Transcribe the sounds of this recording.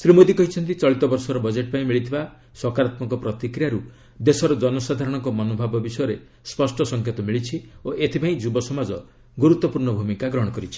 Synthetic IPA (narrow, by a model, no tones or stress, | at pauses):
sɾimod̪ikɔɦit͡ʃʰɔnt̪it͡ʃɔɭit̪ɔbɔɾsɔɾɔbɔd͡ʒeʈ̚paĩmiɭit̪ʰiba | swɔkaɾat̪mɔŋkɔpɾɔt̪ikɾijaɾu | d̪esɔɾɔd͡ʒɔnɔsad̪ʱaɾɔɽ̃ɔŋkɔmɔnobʱabɔbisɔjɔɾe | spɔsʈɔsɔŋkʰjet̪ɔmiɭit͡ʃʰioʔet̪ʰipaĩd͡ʒubɔsɔmad͡ʒɔ | ɡuɾut̪ːɔpuɾɳɔbʱumikaɡɾɔɦɔɽ̃ɔkɔɾit͡ʃʰi̥